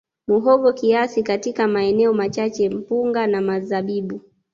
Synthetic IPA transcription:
muɦɔvɔkiasikatikamaɛnɛɔmat͡ʃat͡ʃɛm̩puŋɡanamazaɓiɓu

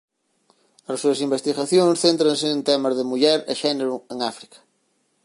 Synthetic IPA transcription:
ɐssuɐsimbest̪iɣaθjoŋsθent̪ɾɐ̃ŋsɪːnt̪ɛmɐzðɪmuʎɛɾḛʃɛneɾʊeŋafɾi̥kɐ̥

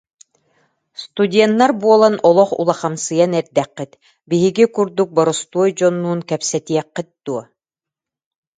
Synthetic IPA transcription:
st̪ud̪ʲɛnːaɾbuɔlˠanɔlˠɔχṵlˠaχamsɯjanɛɾd̪ɛqːit̪ | biɦiɡikuɾd̪uk̚bɔɾɔst̪uɔjd͡ʑɔnːuːnkɛpsɛt̪iɛqːit̪̚d̪̥uɔ

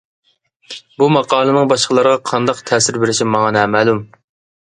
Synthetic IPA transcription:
bumɑqʰɑːlˠɨnɨŋbɑʃqəlˠɑɾəʁɑqʰɑnd̪ɑqt̪ʰɛːsɪɾbɪɾɪʃimɑŋɑnɛːmæːlum

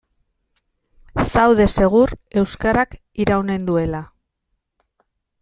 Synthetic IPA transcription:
sawðe̞se̞ɣ̞uɾe̞wskaɾak | iɾawne̞nd̪ue̞la

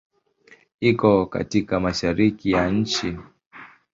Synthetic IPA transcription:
ikɔka̰tikamaʃaɾikijaɲ̩t͡ʃi

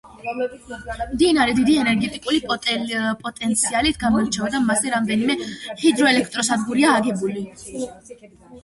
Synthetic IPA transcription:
md̪inaɾɛd̪id̪iɛnɛɾɡɛt̪ʼikʼulipʼɔt̪ʼpʼɔt̪ʼɛnt̪sʰialit̪ʰɡamɔlɾt͡ʃʰɛɔd̪amasɛɾamd̪ɛnimɛhid̪ɾɔɛlɛkʰt̪ʼɾɔsad̪ɡuɾiaːɡɛbuli

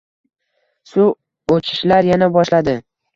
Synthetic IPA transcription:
sʊ | ot͡ʃʰɪ̥ʃlaɾjanabɒʃlad̪ɪ

